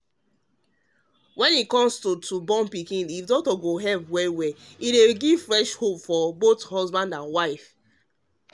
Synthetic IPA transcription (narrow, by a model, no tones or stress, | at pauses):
wɛ̃nikɔ̃mstutʰubɔ̃mpikĩnifdɔk̚tɔɡoɦɛlpwɛwɛideɡiv̥fɹɛʃhopfɔbothɔzbãndãnwaɪf